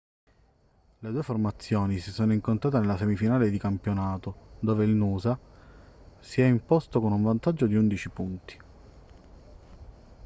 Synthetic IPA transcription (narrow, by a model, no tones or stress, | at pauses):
led̪uːeformat̪sːjoːnisisoːnoiŋkont̪ɾaːt̪̬enelːasɛmifinaːled̪ikampjonaːt̪od̪oːveilnuːza | siɛimpɔst̪okonuɱvant̪ad͡ʒːod̪iund̪it͡ʃipunt̪i̥